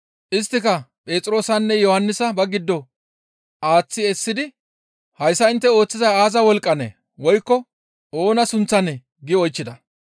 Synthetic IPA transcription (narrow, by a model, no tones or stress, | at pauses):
ʔɪs̬t̪ːɪkɐpʼe̞ːt͡sʼɾo̞ːsɐnːɛjɔhɐnːɪsɐbɐɡɪd̪ːɔ | ʔaːt͡sːɪɛsːɪd̪ɪ | hɐjsːɐɪnt̪ːɛo̞ːt͡sːɪzɐjaːzɐwɔlkʼːɐnḛ | wɔjkːɔ | o̞ːnɐsʊnt͡sːɐnɛ | ɡɪɔjt͡ʃːɪd̪ɐ